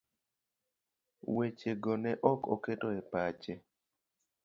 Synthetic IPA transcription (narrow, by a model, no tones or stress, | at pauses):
wet͡ʃeɡɔnɛʔɔkɔ̰ketoepat͡ʃe